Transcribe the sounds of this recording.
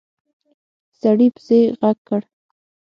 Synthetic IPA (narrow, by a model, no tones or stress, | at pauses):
saɽipzejɣaɡ̚kːəɽ